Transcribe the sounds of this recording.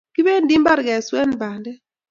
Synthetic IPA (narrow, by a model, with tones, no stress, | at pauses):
ki˦be˦ndi˦mba˦ɾɡɛ˨swɛ˦nba˨ndɛ˦